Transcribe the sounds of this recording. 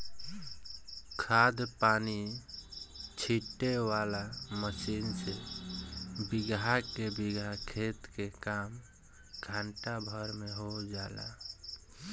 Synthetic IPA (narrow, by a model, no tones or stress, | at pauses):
kʰaːd̪paːni | t͡ʃʰiʈːewaːlaməsiːnse | bɪɡakebiɡʱakʰeːt̪kekaːm | ɡʱãɳʈabʱəɾmeɦod͡ʒaːla̰